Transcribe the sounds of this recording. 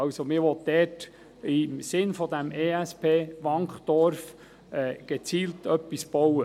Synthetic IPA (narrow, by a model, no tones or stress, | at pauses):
ɑʊsomɪʋɔtd̪ɛːt | ɪmsɪnfɔd̪æmeːæspʰeːʋɑŋχd̪̥ɔɾf | ɛːɡ̥ɛt͡siːltœpːisb̥ɔwə